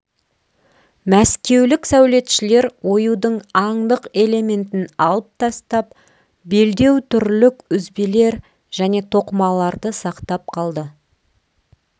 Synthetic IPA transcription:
mæskʲe̞wlɪksæwle̞t̪ʃɪle̞ɾwo̞jud̪əɴɑɴd̪əqe̞le̞me̞nt̪ɪnɑlˠəp̚t̪ʰɑst̪ɑp | be̞ld̪e̞wt̪ʰʏɾlɪkʏzbele̞ɾ | ʒ̥æne̞t̪ʰo̞qəmɑlˠɑɾd̪əsɑqt̪ɑp̚qʰɑlˠd̪ə

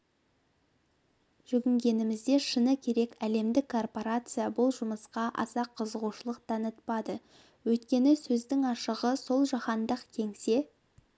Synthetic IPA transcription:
ʒ̥ʏɡʲɪŋɡʲe̞nɪmɪzd̪e̞ʃənəkʲʰe̞ɾe̞kæle̞md̪ɪkʰːo̞rpo̞ɾat̪sɨjabʊlˠʒʊməsqɑʔɑ̰sɑqʰːəzəʁuʃəlˠəqt̪ʰɑnət̪pɑd̪ə | wɵjt̪kʲe̞nɪsɵzd̪ɪŋɑʃəʁəso̞lˠʒɑχɑnd̪əqkʲʰe̞ŋse̞

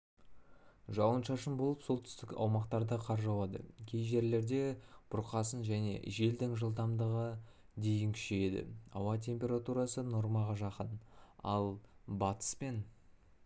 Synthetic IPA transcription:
ʒɑwənʃɑʃəmbo̞lˠəpso̞lˠt̪ʰʏ̥st̪ɪkɑ̰wmɑqt̪ɑɾd̪əqʰɑɾʒɑwɑd̪ə̰kʲʰejʒe̞ɾle̞ɾd̪e̞b̥ʰʊɾqɑsənʒæne̞̰ʒe̞ld̪ɪŋʒəlˠd̪ɑmd̪əʁə | d̪e̞jɪŋkʲʰʏ̥ʃeed̪ɪ̰ɑwɑt̪̬ʲʰe̞mpʲe̞ɾat̪uɾɑsəno̞ɾmɑʁɑʒɑqənɑ̰lˠbɑt̪ə̥spe̞n

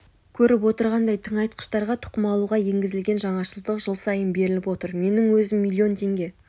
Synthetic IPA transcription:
kʲʰɵɾɪpwo̞t̪əɾʁɑnd̪ɑjt̪ʰəɴɑjt̪̚qə̥ʃt̪ɑɾʁɑt̪ʰʊ̥qəmɑlˠuʁɑje̞ŋɡʲɪzɪlɡʲe̞nʒɑɴɑʃəlˠd̪əqʒ̥əlˠsɑjənbe̞ɾɪlɪpwo̞t̪əɾme̞nɪŋwɵzɪmːilʲːio̞nt̪ʰe̞ŋɡʲe̞

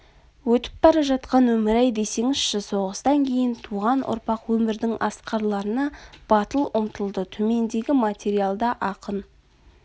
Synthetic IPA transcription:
wɵt̪ɪ̥p̚bɑɾɑʒɑt̪qɑnwɵmɪɾæjd̪e̞se̞ŋɪz̥ʃɪso̞ʁəst̪ɑŋkʲʰe̞jɪnt̪ʰuʁɑnʔʊ̰ɾpɑqwɵmɪɾd̪ɪŋɑsqɑɾlˠɑɾənɑb̥ɑt̪əlˠʊmt̪əlˠd̪ət̪ʰɵme̞nd̪e̞ɡʲɪmat̪ʲeɾijalˠd̪ɑʔɑqən

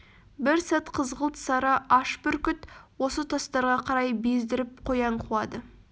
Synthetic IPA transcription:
bɪɾsæt̪qʰəzʁəlˠt̪sɑɾɑʔɑʃpʏɾkʲʏt̪wo̞sət̪ʰɑst̪ɑɾʁɑqʰɑɾɑjbezd̪ɪɾɪp̚qʰo̞jɑɴqʰulˠɑd̪ə

